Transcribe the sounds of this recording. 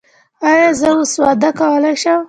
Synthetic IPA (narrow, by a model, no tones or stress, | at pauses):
ajɑzəʊswɑd̪akawəlajʃəm